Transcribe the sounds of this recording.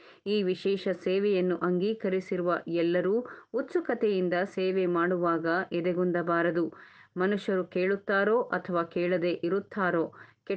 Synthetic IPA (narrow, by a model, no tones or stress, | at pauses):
iːʋiʃɛːʃɐseːʋɛjɐnːuʔɐŋɡiːkɐɾisiɾuʋɐɛlːɐɾuːut̪ːsukɐt̪ejind̪ɐseːʋɛmaːɽuʋaːɡɐʔɛd̪ɛɡund̪ɐbaːɾɐd̪umɐnuʃjɐɾukeːɭut̪ːaːɾo̞ːʔɐt̪ʰɐʋaːkeːɭɐd̪e̞ʔiɾut̪ːaːɾoːkɛ